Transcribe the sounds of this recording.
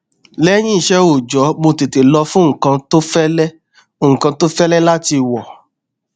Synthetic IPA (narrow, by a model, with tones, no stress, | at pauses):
lɛ˦j̃ĩ˦i˦˨ʃɛ˦o˨d͡ʒɔ˨˦mo˧te˨te˨lɔ˧fũ˦ŋ̩˨kã˧to˦fɛ˦lɛ˦˨ | ŋ̩˨kã˧to˦fɛ˦lɛ˦la˦ti˧˨wɔ˨